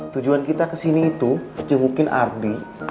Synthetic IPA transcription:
t̪ud͡ʒuankit̪akəsiniːt̪ud͡ʒəŋukɪnʔa̰rbi

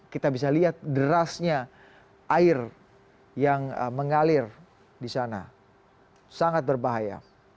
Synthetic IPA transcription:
kit̪abisaliat̪̚dəɾasɲa | aɪr | jaŋə̰məŋalɪr | disana | saŋat̪̚bərbaɦaja̰

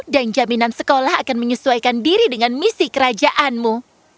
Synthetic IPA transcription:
dand͡ʒaminansəkolaɦakanməɲəsuajkandiɾidəŋanmisikəɾad͡ʒaʔanmu

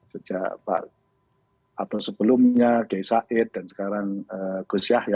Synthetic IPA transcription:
səd͡ʒa̰ʔpa̰ʔ | at̪awsəb̥əlʊmɲaɡ̥ajsaʔɪt̪̚d̥ansə̥kaɾaŋəɡ̥osiahja

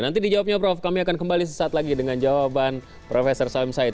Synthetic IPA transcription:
nant̪̬idid͡ʒawap̚ɲapɾɔfkamiakankəmbalis̬əsaːt̪laɡidəŋand͡ʒawaban | pɾofesɔrsalɪmsaɪt̪̚

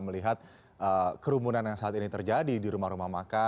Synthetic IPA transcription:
məliɦat̪̚ | ʔəkəɾumunanjaŋsaat̪init̪ərd͡ʒadidiɾumahɾumahmaka

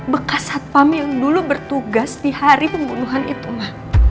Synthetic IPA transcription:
bəkasat̪̚pamialŋdulubərt̪uɡasdihaɾipəmbunuɦanḭt̪umah

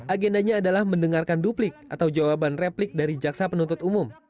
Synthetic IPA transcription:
ʔaɡendaɲaːdalahməndəŋarkanduplɪk̚ʔat̪awd͡ʒawabanreplɪk̚daɾid͡ʒaksapənɔnt̪ʊt̪umʊm

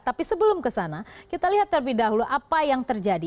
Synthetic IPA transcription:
t̪apisəbəlʊmkəsanakit̪aliɦat̪ːərbidaɦuluʔapajaŋt̪ərd͡ʒadi

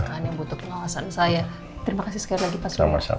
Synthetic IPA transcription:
kaanjaŋbut̪ʊk̚pəŋawasansaja | t̪əɾimakasisəkaɾlaɡipasa̰ma̰sa̰

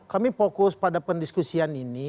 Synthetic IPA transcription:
kamipokʊspadapəndiskusianini

